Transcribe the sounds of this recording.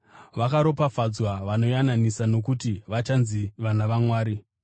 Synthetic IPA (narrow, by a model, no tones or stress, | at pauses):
ʋakaɾo̞pafad͡zwaʋano̞jananisano̞k̬utiʋat͡ʃanziʋanaʋamwaːɾi